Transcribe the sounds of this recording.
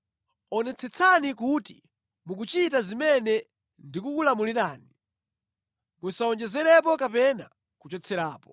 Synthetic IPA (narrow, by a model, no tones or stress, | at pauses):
ɔnɛt͡sʰɛt͡sʰanikuti | muk̬ut͡ʃitazimɛnɛ | ndikukulamuliɾaːni | musaɔnd͡ʒɛzɛɾɛp̬ɔkapɛna | kut͡ʃɔt͡sʰɛɾaːpɔ̥